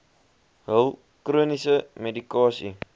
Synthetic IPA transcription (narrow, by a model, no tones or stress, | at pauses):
ɦəlˠ | kruənisəmedikɑːsḭ